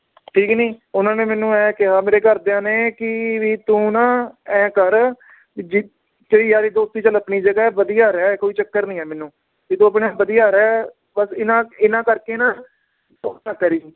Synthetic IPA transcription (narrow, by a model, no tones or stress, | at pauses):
ʈʰiːknĩːʊnãːnẽːmɛːnũːɛːkɪɦãːmeːɾeːkəɾd̪eãːneːkɪʋiːt̪ũːnãːɛ̃ːkəɾ | d͡ʒ | d͡ʒeiːaːɾiːd̪oːst̪iːt͡ʃələpɳiːd͡ʒəɡaːɛbəd̪ijaːɾɛːkoːiːt͡ʃəkːəɾnĩːɛːmɛːnːũː | t̪et̪ũːəp̬ɳaːbəd̪ijaːɾɛː | bəsɪnãːɪnãːkəɾkeːnãː | oːãːkəɾiː